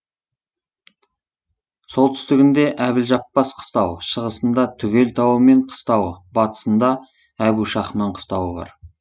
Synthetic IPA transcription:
so̞lˠt̪ʰʏ̥st̪ɪɡʲɪnd̪e̞ʔæbɪlʒɑpːɑsqʰə̥st̪ɑwʃəʁəsənd̪ɑt̪ʰʏɡʲe̞lt̪ʰɑwəme̞ɴqʰə̥st̪ɑwəbɑt̪ə̥sənd̪ɑ | æbuʃɑχmɑɴqʰə̥st̪ɑwəbɑ̰ɾ

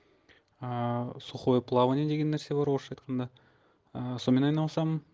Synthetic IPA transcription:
əsuχojəpʰlˠɑvəned̪e̞ɡʲe̞nːeɾse̞bɑɾwoʃɑjt̪qʰɑnd̪ɑ | əso̞me̞nɑjnɑlˠsɑmən

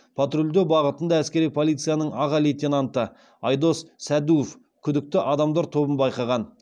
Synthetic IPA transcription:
pʰat̪ɾulʲd̪obɑʁət̪ənd̪ɑæskʲe̞ɾijpʰolˠijt̪sɨjanəɴɑʁɑlet̪ʲenɑnt̪ə | ɑjd̪o̞sːæd̪uof | kʲʰʏd̪ɪk̚t̪ɪʔɑd̪ɑmd̪ɑɾt̪ʰo̞bənbɑjqɑʁɑn

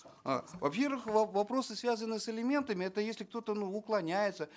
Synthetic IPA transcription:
a̰vɐpʲe̞rvɨxvɐvɐpɾo̞sɨsvʲazənɨsɨlʲɪmʲe̞nt̪əmʲɪɛt̪əjesʲlʲɪk̚t̪o̞t̪ənuʊklˠɐnʲæjɪt̪sə

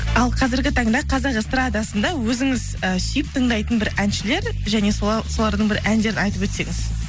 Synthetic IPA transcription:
ɑlˠqʰɑzɪɾɡʲɪt̪ʰɑɴd̪ɑqʰɑzɑqst̪rad̪jasənd̪ɑwɵzɪŋɪzəsijɪp̚t̪ʰəɴd̪ɑjt̪ənbɪɾænʃɪle̞ɾ | ʒæne̞so̞lˠɑɾd̪əɴbɪɾʔænd̪e̞ɾɪnɑjt̪əpwɵt̪se̞ŋɪz̥

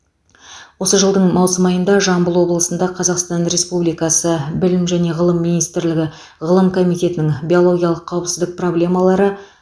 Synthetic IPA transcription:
wo̞səʒəlˠd̪əɴmɑwsəmɑjənd̪ɑʒɑmbəlˠwo̞blˠəsənd̪ɑqʰɑzɑqst̪ɑnɾe̞spublijkɑsəbɪlɪmʒæne̞ʁəlˠəmːinijst̪ɪɾlɪɡʲɪ | ʁəlˠəmkʰo̞mijt̪e̞t̪ɪnɪŋbʲio̞lˠo̞ɡʲijɑlˠəqʰːɑwəpsɪzd̪ɪk̚pro̞blʲe̞mɑlˠɑɾə

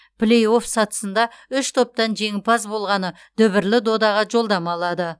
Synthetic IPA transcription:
pʰlejo̞fsɑt̪ə̥sənd̪ɑʏʃt̪ʰo̞p̚t̪ɑnʒe̞ŋɪpɑzbo̞lˠʁɑnə | d̪̥ɵβɪɾlɪd̪o̞d̪ɑʁɑʒo̞lˠd̪ɑmɑlˠɑd̪ə

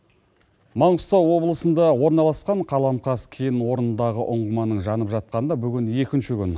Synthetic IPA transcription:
mɑɴəst̪owo̞blˠəsənd̪ɑwo̞ɾnɑlˠɑsqɑɴqʰɑlˠɑmqʰɑskʲʰejɪnwo̞ɾənənd̪ɑʁəʔʊɴʁəmɑnəɴʒɑnəpʒɑt̪̚qɑnd̪ɑbʏɡʲɪnje̞kʲɪnʃɪkʲʏn

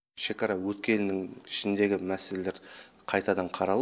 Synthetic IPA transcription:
ʃe̞kɑɾɑwɵt̪kʲe̞nɪnɪŋɪʃɪnd̪e̞ɡʲɪmæsele̞le̞ɾ | qʰɑjt̪ɑd̪ɑɴqʰɑɾɑlˠ

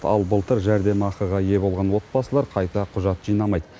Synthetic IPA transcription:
ɑ̰lˠbəlˠt̪əɾʒæɾd̪e̞mɑqəʁɑje̞bo̞lˠʁɑnwo̞t̪̚bɑsəlˠɑɾqʰɑjt̪ɑqʰʊʒɑt̪ʒ̥ijnɑmɑjd̪ə

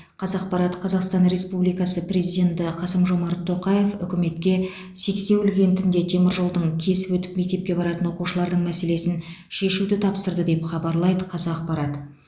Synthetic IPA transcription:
qʰɑzɑq̚pɑɾɑt̪qʰɑzɑqst̪ɑnɾe̞spublˠijkɑsəpɾʲe̞zijd̪ʲe̞nt̪ɪqʰɑsəmʒo̞mɑɾt̪ʰːo̞qɑje̞fʏ̰kʲɪme̞t̪kʲe̞ | se̞kse̞wʏlɡʲe̞nt̪ʰɪnd̪e̞t̪ʰe̞mɪɾʒolˠd̪əɴkʲʰe̞sɪwɵt̪ɪ̥pme̞k̚t̪e̞p̚kʲe̞bɑɾɑt̪ənwo̞quʃəlˠɑɾd̪əɴmæse̞le̞sɪn | ʃe̞ʃud̪ɪt̪ʰɑpsəɾd̪əd̪e̞pχɑbɑɾlˠɑjd̪əqʰɑzɑːq̚pɑɾɑt̪

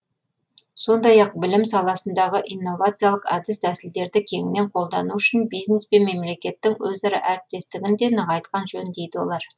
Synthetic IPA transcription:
so̞nd̪ɑjɑq̚bɪlɪmsɑlˠɑsənd̪ɑʁəʔijnːo̞vat̪sɨjalˠəqɑd̪ɪsd̪æsɪld̪e̞ɾd̪ɪkʲʰe̞ŋɪne̞ɴqʰo̞lˠd̪ɑnuʏʃɪnbijzne̞spe̞nme̞mle̞kʲe̞t̪ːɪŋwɵzɑɾɑ̰ʔæɾɪp̚t̪e̞st̪ɪɡʲɪnd̪e̞nəʁɑjt̪qɑnʒɵnd̪e̞jd̪ɪwo̞̰lˠɑɾ

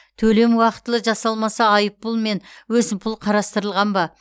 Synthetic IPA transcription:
t̪ʰɵle̞mwɑqə̥t̪ːəlˠəʒɑsɑlˠmɑsɑːjəp̚ːʊlˠme̞nwɵzɪmpʰʊlˠqʰɑɾɑst̪əɾəlˠʁɑnbɑ

